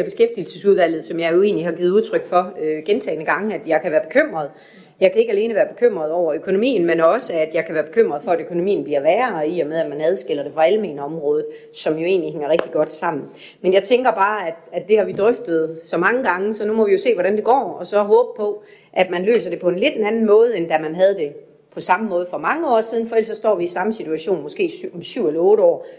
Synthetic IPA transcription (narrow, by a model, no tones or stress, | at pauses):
b̥e̝sɡ̥efd̥il̩səsuðˠʋæl̰ð̩ˠsɒ̽mjɑ̈ɪjo̝e̝ːnlihɑ̈ɡ̥ið̩uðˠt͡sʰʁœɡ̥fɒ̽øɡ̥ent͡sʰɛ̰ːɪnəɡ̥ɑ̈ŋəæd̥jɑ̈ɪkʰæʋæːɐb̥e̝kʰøm̰ʁɐð̩ˠ | jɑ̈ɪkʰæe̝ɡ̥æle̝ːnəʋæːɐb̥e̝kʰøm̰ʁɐð̞ˠɒʊ̰ɐøkʰo̝no̝mḭːn̩menɒ̽səæd̥jɑ̈ɪkʰæʋæːɐb̥e̝kʰøm̰ʁɐð̩ˠfɒ̽æɾøkʰo̝no̝mḭːn̩b̥liɐʋæːɐiɒmeð̞ˠæd̥mænæð̞ˠsɡ̥el̰ɐd̥e̝fʁɑ̈ælmḛːnɒ̽mʁɔːð̞̩ˠ | sɒ̽mjo̝e̝̰ːnliheŋɐʁeɡ̥d̥iɡ̥ɒ̽d̥sɑ̈m̰n̩ | menjɑ̈ɪt͡sʰeŋɡ̥ɐb̥ɑ̈ːæd̥æd̥ːe̝hɑ̈ʋid̥ʁœfd̥ð̞̩ˠsɒ̽mɑ̈ŋəɡ̥ɑ̈ŋəsɒ̽numɒ̽ʋijo̝se̝̰ːʋɒɾænd̥e̝ɡ̥ɒ̰ːɒ̽sɒ̽ɦɔ̽ːb̥əpʰɒ̽ | ʔæd̥mænlø̰ːsɐde̝pʰɒ̽e̝nle̝d̥enænn̩mɔ̽ːð̞̩ˠend̥æmænɦæð̞ˠd̥e̝ | pʰɒ̽sɑ̈məmɔ̽ːð̞ˠfɒ̽mɑ̈ŋəɒ̰ːsiðˠn̩fɒ̽el̰sɒ̽sd̥ɒ̰ːʋiːsɑ̈məsit͡sʰuæɕo̝̰ːnmɔ̽sɡ̥e̝̰ːmsyʊ̰elɐɔ̽ːɾəɒ̰ː